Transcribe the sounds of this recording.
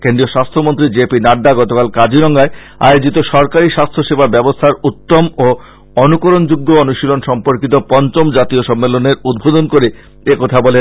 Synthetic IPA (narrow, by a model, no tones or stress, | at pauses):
kend̪ɾioʃast̪ʰomont̪ɾid͡ʑepinaɖːaɡɔt̪okalkad͡ʑiɾɔŋɡae | a̰eod͡ʑit̪oʃɔɾkaɾiʃast̪ʰoʃebʱabɛbost̪ʰaɾut̪ːomo | ɔnukoɾond͡ʑuɡːoonuʃilonʃɔmpoɾkit̪̬opɔnt͡ɕomd͡ʑat̪ioʃɔmːeloneɾud̪̚bʱod̪onkoɾe | ekɔt̪ʰabɔle